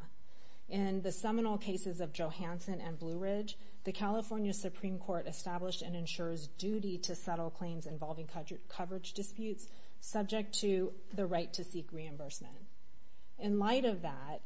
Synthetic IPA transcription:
ʔɪ̃nðɨsɛmənl̩ˠkʰeɪsɨzʌvd͡ʒoʊhæ̃nsɨ̃nɨ̃nblʉɹɪd͡ʒ | ðɨkʰælˠəfɔɹnjɨsɨpʰɹ̥ĩmkʰɔɹɾɨstæbləʃtɨ̃nɨ̃nʃʊɹzdʉɾiɾɨsɛɾl̩ˠkʰl̥ẽɪ̃mzɨ̃ɱvɑlˠvɪ̃ŋ | kʰʌvə˞ɨd͡ʒdɨspjʉtsː | ʌb̚d͡ʒɨk̚tʰɨ | ðɨɹaɪtʰɨsikɹiɨ̃mbɜ˞smɨ̰̃nt | ɨ̃nlaɪɾʌvðæ | t̚

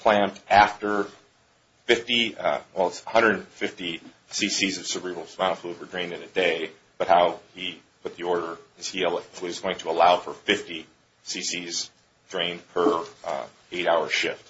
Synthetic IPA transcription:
pʰl̥æ̃mtæftə˞ | fɪftiwɛlˠətsəhʌ̃ndɹə˞dn̩fɪfti | sisizʌv̥səbɹivl̩ˠsmãʊ̃əflud̚wə˞dɹẽɪ̃ndɨ̃nɨdeɪ | b̥ʌt̚haʊi | pʰʊt̪̚ðiɔɹɾə˞ɨz̥iwɨzɡoʊɪ̃ŋtʰəəlaʊfə˞fɪfti | sisiz | d̥ɹẽɪ̃npʰə˞ | eɪɾaʊə̥˞ʃɪft̚

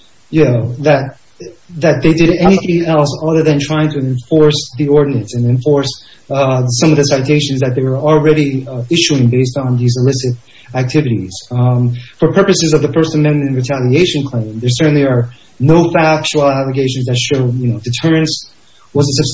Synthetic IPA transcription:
jɨoðɨt̪̚ | ðɨt̪̚ðeɪdɨɾɛniθɪ̃ŋɛlˠsɑðə˞ðɨ̃ntʰɹ̥aɪɪ̃ŋtʰɨɨ̃ɱfɔɹsðiɔɹdⁿn̩ɨ̃nsɨ̃nɨ̃ɱfɔɹs | sʌ̃mʌvðɨsaɪtʰeɪʃɨ̃nzðɨt̪̚ðeɪwə˞l̩ˠɹɛɾiɪʃʉɪ̃ŋbeɪstn̩ðizəlɪsɨɾ | æk̚tʰɪvɨɾḭz̥ | fə˞pʰɜ˞pɨsɨzʌvðɨfɜ˞stɨmɛ̃nmɨ̃ɾnɹɨtʰælˠieɪʃɨ̃n̩kʰl̥ẽɪ̃mðə˞sɜ˞ʔn̩liə˞ | noʊfæk̚t͡ʃul̩ˠælˠəɡeɪʃn̩zðɨtʃoʊd̚jɨnoʊdɨtʰɜ˞ɨ̃ns | wʌzɨsɨbs

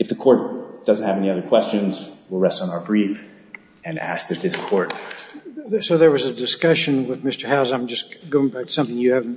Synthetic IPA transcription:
ɨfðɨkʰɔɹt̚d̥ʌz̃n̩thɨvɛniʌðə˞kʰw̥ɛst͡ʃɨ̃nzwilˠɹɛstn̩aʊə˞bɹif | ɨ̃næ̰sk̚ðɨt̪̚ðɪskʰɔɹt̚ | soʊðə˞wʌzɨdɨskʌʃɨ̃nwɪðmɪstə˞haʊzãɪ̃md͡ʒʌsɡ̥oʊɪ̃ŋbæk̚tsʌ̃mθɪ̃ŋjɨhævn̩

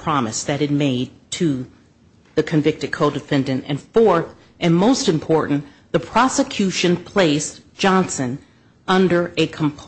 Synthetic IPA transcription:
pʰɹ̥ɑmɨ̰sðɨt̚ɨd̚meɪd̚tʰɨ | ðɨkʰɨ̃ɱvɪk̚tɨd̚kʰoʊdɨfɛ̃ndɨ̃ntɨ̰̃nfɔɹθ | ʔɨ̃nmoʊstɨ̃mpʰɔɹʔn̩ | ðɨpʰɹ̥ɑsɨkʰj̥ʉʃɨ̃npʰl̥eɪsd̥ʒ̥ɑ̃nsɨ̃n | ʌ̃ndə˞ʔɨkʰm̩pʰ

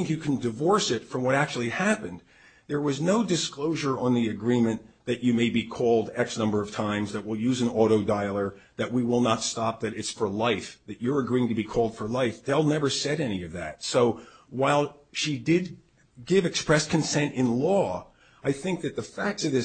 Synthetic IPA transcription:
ɪ̃ŋkjɨkʰn̩dɨvɔɹsɪtfɹʌ̃mwʌɾæk̚t͡ʃul̩ˠihæpɨ̃nd̪ | ðə˞wʌznoʊdɨskloʊʒə˞ə̃nðiɨɡɹĩmɨ̃nðɨt͡ʃɨmeɪbikʰɔlˠdɛksnʌ̃mbə˞ʌv̥tʰãɪ̃mzðɨt̚wəlˠjʉzɨ̃nɔɾoʊdaɪlˠə˞ | ðɨʔ̚wiwɪlˠnətstɑp̚ðɨɾɨtsfə˞laɪfðɨt͡ʃə˞ɨɡɹiɪ̃ŋtɨbikʰɔlˠd̥fə˞laɪfðeɪlˠnɛvə˞sɛɾɛniʌvðɨ̰t̚soʊwaɪlˠ | ʃidɪd̚ | ɡɪvɨkspɹɛskʰɨ̃nsɛ̃ntɨ̃nlɔ | aɪθɪ̃ŋk̚ðɨt̪̚ðɨfæk̚tsʌvðɪ

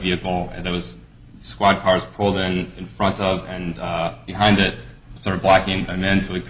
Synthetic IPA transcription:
viɨkl̩ˠɨ̰̃nðə˞wʌz̥ | skwɑd̚kʰɑɹz̥pʰʊlˠdɪ̃nɨ̃nfɹʌ̃ntʌvɨ̃nb̥ɨɦãɪ̃ndɪt̚stɑɹɾɨvblækɪ̃ŋɨmɪ̃nsoʊɨkʰ

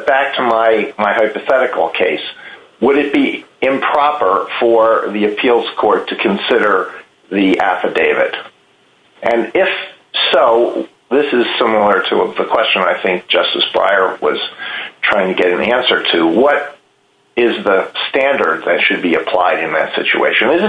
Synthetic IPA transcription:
b̥æk̚tʰəmaɪmaɪɦaɪpɨθɛɾɨkl̩ˠkʰeɪs | wəɾɨt̚b̥iɪ̃mpʰɹ̥ɑpə˞fə˞ðiɨpʰilˠz̥kʰɔɹtʰɨkʰɨ̃nsɪɾə˞ | ðiʔæfɨdeɪvɨ̰ɾ | ʔɨ̃nɪf | soʊ | ðɪsɨz̥sɪ̃ml̩ˠə˞ɾɨ̰ðəkʰw̥ɛst͡ʃɨ̃naɪθɪ̃ŋk̚d̥ʒ̥ʌstɨsb̥ɹa̰ɪə˞wʌ̰z̥tʰɹ̥aɪɪ̃ŋtʰɨɡɛɾɨ̃næ̃nsə˞ɾɨwʌɾ | ɪzðɨstæ̃ndə˞d̪̚ðɨtʃɨd̚biɨpʰl̥a̰ɪɾɨ̃nðɨ̰tsɪ̰t͡ʃṵḛɪʃɨ̃nɨzɨ

